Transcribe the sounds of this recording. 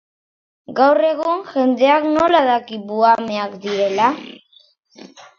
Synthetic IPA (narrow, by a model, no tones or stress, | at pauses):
ɡawre̞ɣ̞uŋʝe̞nd̪e̞akno̞laðakiβuameakd̪iɾe̞la